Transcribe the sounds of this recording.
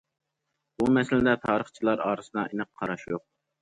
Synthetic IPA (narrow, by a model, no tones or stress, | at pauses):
bumɛsɪlɪd̪ɛt̪ʰɑːɾəχt͡ʃʰilˠɑɾɑːɾɨsɨd̪ɑʔenɨqʰːɑɾɑʃjoq̚